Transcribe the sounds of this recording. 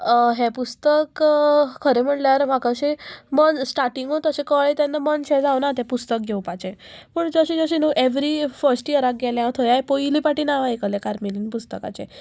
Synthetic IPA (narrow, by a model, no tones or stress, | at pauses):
ɦepust̪əkkʰəɾem̤əɳljaɾm̤akəɕemənsʈaɾʈiŋɡot̪əsẽkəɭet̪ɛnːəmənɕɛd͡zawnat̪ɛ̃pust̪ək̚ɡʱewpat͡ɕẽpəɳd͡zəɕĩd͡zəɕĩnəʔeʋɾifəɾsʈiəɾak̚ɡɛljat̪ʰojajpoilipaʈiːnaʋaekəlekaɾmelinpust̪əka̰t͡ɕḛ